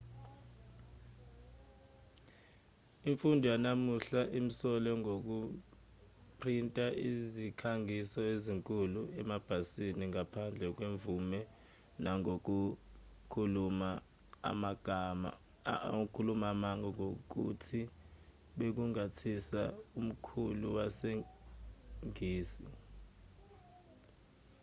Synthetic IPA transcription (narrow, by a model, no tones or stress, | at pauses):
iɱfundʱujanamuɬaʔim̩sɔlɛŋok̬u | pʰrintʼaizikʰaŋisɔeziŋkʼuluɛmab̥ʱasiniŋapʰand͡ɮʱɛk̬weɱvumɛ | naŋok̬ukʰuluma | a̰maɡ̥ʱama̰ | ukʰulumamaŋɔŋok̬ṵtʰi | ɓek̬uŋatʰisa̰um̩kʰuluwase | ŋiːsi